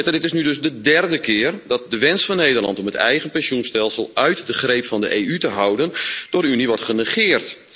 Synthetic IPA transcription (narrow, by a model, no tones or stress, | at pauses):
tədɪtɪsnydøsdədɛrdəkʰɪːərdɔt̚dəʋɪnsfɔnːejdərlɑ̰ntɔmətɛ̰jɣənpɛnsjunstɛlˠsəlˠœɥtdəχreːpfɔndə̰ʔeːytəɦʌwdənd̥ʊːɾyniʋɔrtχənəχɪːərt